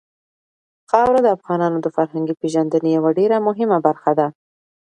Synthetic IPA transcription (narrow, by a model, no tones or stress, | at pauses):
xɑwɾad̪əafɣɑnɑnod̪əfaɾhaŋɡipeʒand̪ənejawaɖeɾamʊɦɪmabaɾxad̪a